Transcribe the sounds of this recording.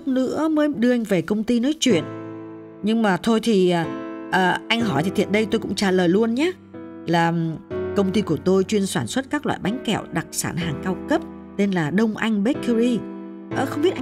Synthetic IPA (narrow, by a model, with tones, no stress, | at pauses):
nɨ̰˧˥əməː˨˦ɗɨ˧əʔa˧jŋ̟ve˨˩kə˧wŋ͡mt̪i˧nɔ˨˦jt͡ɕwḭ˧˨ən | ɲɨ˧ŋmaː˨˩t̪ʰo˧jt̪ʰi˨˩ʔəː˨˩ʔəː˨˩ʔa˧jŋ̟ɦɔ˧˩jt̪ʰi˨˩t̪ʰḭ˧˨ənɗə˧jt̪o˧jkʊ̰˧˥ŋ͡mt͡ɕaː˧˩ləː˨˩jlu˧ənɲaː˨˦˥ | laː˨˩kə˧wŋ͡mt̪i˧ku˧˩ət̪o˧jt͡ɕwi˧ənswaː˧˩nswə˦˥t̚kaː˦˥k̚lwa̰ː˧˨jɓa˨˦jŋ̟kɛ̰˧˩˨wɗa˨˩k̚sa̰ː˧˩nɦaː˨˩ŋkaː˧wkə˦˥p̚ | t̪e˧nlaː˨˩ɗə˧wŋ͡mʔa˧jŋ̟ɓe˦˥t̚kə˧ɾi˧ | ʔəː˨˩xə˧wŋ͡mɓi˦˥əʔa˧